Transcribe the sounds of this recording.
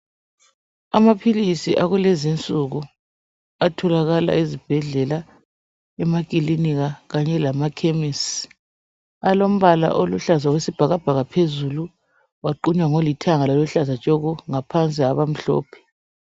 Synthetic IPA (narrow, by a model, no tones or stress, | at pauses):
amapʰilisiʔaɣulɛzint͡sʼuɣu | atʰɔlaɣala̰izib̥ʱɛɮɛla | ɛmakʼiliniɣaɣaɲɛlamakʰemis | alom̩βala̰ʔoluɬazawesib̥ʱaɣab̥ʱaɣapʰezulu | waǃuɲwaŋolitʰaŋalɔluɬazat͡ʃʼoɣuŋapʰant͡sʼiaβam̩ɬɔ̰ːpʰɛ̥